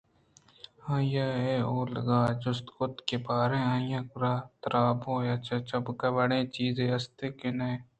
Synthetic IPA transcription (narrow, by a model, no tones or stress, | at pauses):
hãːjaːeːoːləɡaːd͡ʒʊst̪kʊt̪kebaːɾẽːãːjãːkʊɾaːt̪ɾʔaːbõːjaːt͡ʃat͡ʃɐbkɐbəɽẽːt͡ʃiːzẽːɐst̪eːkɪne